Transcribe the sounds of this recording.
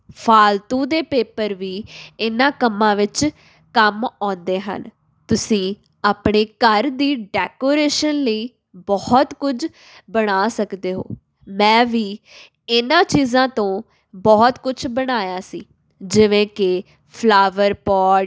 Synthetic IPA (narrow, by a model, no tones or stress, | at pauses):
pʰaːlt̪ũːd̪eːpeːpəɾʋiːɪnãːkəmːãːʋɪt͡ʃ | kəmɔ̃ːnd̪eːɦə̰n | t̪ʊsĩː | aːpɳeːkəɾd̪iːɖɛːkoːɾeːʃənləiː | bɔːt̪kʊd͡ʒ | bəɽ̃aːsəkd̪eːɦo̰ː | mɛ̃ːʋiː | ɪnãːt͡ʃiːzãːt̪õː | bɔːt̪kʊt͡ʃʰbəɽ̃aːjaːsḭː | d͡ʒɪʋẽːkɪ | pʰlaːʋəɾpɔː